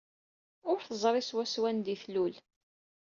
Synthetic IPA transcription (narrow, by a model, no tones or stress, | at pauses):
ʊɾθəzˤɾˤiswæswænd̪iθlul